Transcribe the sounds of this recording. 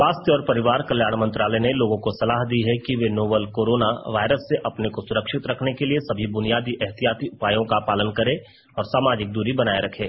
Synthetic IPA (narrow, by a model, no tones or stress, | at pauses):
ʋaːst̪ʰjəɔːɾpɐɾɪʋaːɾkɐljaːɽ̃mɐ̃nt̪ɾaːləneloːɡõkosɐlaːɦd̪iɦɛkiʋenoːbəlkoːɾoːnaʋaːɪɾəsːeʔɐpnekosʊɾəkʃɪt̪ɾɐkʰnekeliesɐbʱibʊnijaːd̪iʔɛɦt̪ijaːt̪iʊpaːjõkapaːlənkɐɾẽ | ɔːɾsaːmaːd͡ʒɪk̚d̪uːɾibɐnaːeɾɐkʰeː